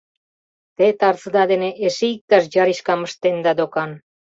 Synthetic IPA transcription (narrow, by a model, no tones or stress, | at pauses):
t̪et̪aɾt͡sd̪ad̪eneʔesiik̚t̪asd͡ʒariʃkaməʃt̪end̪ad̪okan